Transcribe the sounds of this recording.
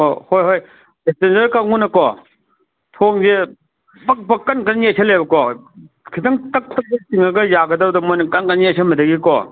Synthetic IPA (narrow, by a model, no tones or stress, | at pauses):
ohojɦoj | etenzɐɾkɐŋunɐkɔ | tʰoŋze | bɐk̚bɐkɐnkɐnjesʰelebɐkɔ | kʰitɐŋtɐk̚tɐk̚betiŋɐɡɐjaɡɐdɐwdɐmojnɐkɐnkɐnjesʰɐmɐdɐɡikɔ̰